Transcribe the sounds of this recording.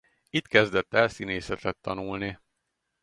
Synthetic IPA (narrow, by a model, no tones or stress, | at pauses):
it̪kɛzd̪ɛt̪ːɛlsineːsɛt̪ɛt̪ːɒnulni